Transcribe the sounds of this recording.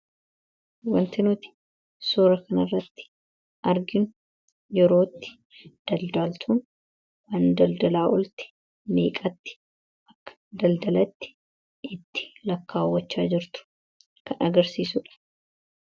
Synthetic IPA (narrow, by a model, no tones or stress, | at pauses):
wɐnt̪ɪnʊt̪ɪ̥ | soːɾɐkɐnɐrːɐt̪ːɪ̥ | ʔɐɾɡɪnʊ | jɛɾo̞ːt̪ːɪ̥ | d̪̥ɐld̪aːlt̪ʰuːn | wɐnd̪ɐld̪ɐlaːʔɔlt̪ɪ̥ | mḛːkʼɐt̪ːɪ̥ | ɐkːɐ̥d̪ɐld̪ɐlɐt̪ːɪ̥ | ɪt̪ːɪ̥lɐkːaːwːɐt͡ʃːaːd͡ʒɪɾt̪ʊ̥ | kɐnʔɐɡɐɾsiːsʊᶑɐ̥